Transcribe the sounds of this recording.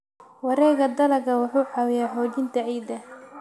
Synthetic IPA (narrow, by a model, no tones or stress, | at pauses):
wɑɾɛːɣɐd̪ɐlɐɡɐwʊħuːħɑːwɪjaːħɔːɡɪnt̪ʰɐʕiːd̪ɐ